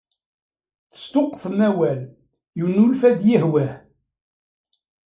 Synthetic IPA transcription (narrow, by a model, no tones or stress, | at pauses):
θə̥st̪ʊqːθəmæwæl | junulfæd̪jəhwæh